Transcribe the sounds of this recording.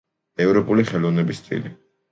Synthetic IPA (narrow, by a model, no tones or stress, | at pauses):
ɛvɾɔpʼuliχɛlɔvnɛbist̪t̪ʼḭli